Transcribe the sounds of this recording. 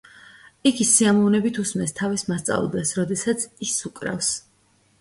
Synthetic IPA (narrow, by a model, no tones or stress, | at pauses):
iɡisiamɔvnɛbit̪ʰusmɛst̪ʰavismast̪sʼa̰vlˠd̪ɛsɾɔd̪ɛsat̪sʰisukʼɾa̰fs